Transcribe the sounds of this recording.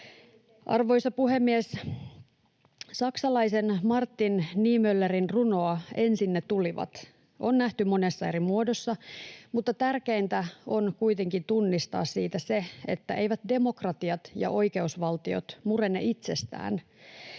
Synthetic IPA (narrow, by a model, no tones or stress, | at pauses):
ʔɑ̰rʋo̞jsɑpuɦemːies | sɑksɑlɑisenmɑrt̪ːinːiːmølːerinruno̞ɑe̞nsinːet̪uliʋɑ̰t̪ | ʔonnæht̪ymo̞nesːɑe̞ɾimuodosːɑmut̪ːɑt̪ærke̞int̪æo̞nkujt̪e̞ŋkint̪unːist̪ɑ̰ːssiːt̪æse̞ḛt̪ːæʔe̞iʋæt̪de̞mo̞krɑt̪iɑt̪jɑ̰ʔo̞jke̞usʋɑlt̪io̞̰t̪mure̞nːḛʔit̪se̞st̪æ̰ːn